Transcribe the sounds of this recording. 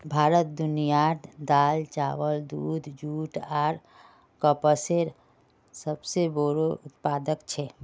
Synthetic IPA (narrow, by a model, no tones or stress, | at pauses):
bʱaːɾət̪̚d̪ʊnijaʈd̪aːlt͡ʃaːʋəld̪uːd̪d͡ʒuːʈaːɾ | kəpəseɾ | səbseboɾoʊt̪paːd̪əkt͡ʃʰɛ